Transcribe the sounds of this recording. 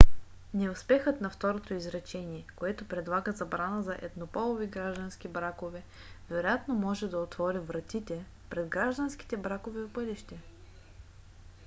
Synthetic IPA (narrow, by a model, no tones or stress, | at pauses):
nɛʊspɛxət̪nɐft̪ɔɾot̪oizɾɐt͡ʃɛniɛkoɛt̪opɾɛd̪lˠaɡəzɐbɾanəzɐʔɛd̪nopɔlˠoviɡɾaʒd̪ɐnsk̟ibɾakovɛ | vɛɾojat̪nomɔʒɛd̪ɐot̪vɔɾʲivɾɐt̪it̪ɛ | pɾɛd̪ɡɾaʒd̪ənsk̟i̥t̪ɛbɾakovɛpɤliʃt̪ɛ